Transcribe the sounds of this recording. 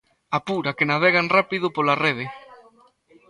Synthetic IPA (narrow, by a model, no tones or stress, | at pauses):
apuɾakenaβeɣanrapiðʊpolareð̞e